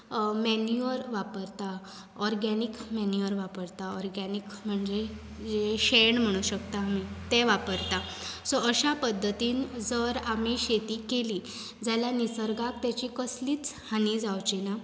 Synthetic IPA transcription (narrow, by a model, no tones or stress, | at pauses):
menuəɾʋapəɾt̪a | ɔɾɡanikmɛnjuəɾʋapəɾt̪aɔɾɡanikm̤əɳd͡ze | d͡zeɕeɳm̤əɽ̃uɕəkt̪aːmit̪eʋapəɾt̪asɔəɕapəd̪ʱːət̪iːnd͡zəɾamiɕet̪iːkeli | d͡zalanisəɾɡak̚t̪jat͡ɕikəsliːt͡shanid͡zawt͡ɕina